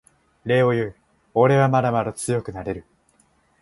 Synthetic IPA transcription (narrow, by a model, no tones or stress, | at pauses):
ɾe̞ːo̞jɯ | oɾe̞βamaɾamaɾat͡sɨjo̞kɯ̟naɾe̞ɾɯ̟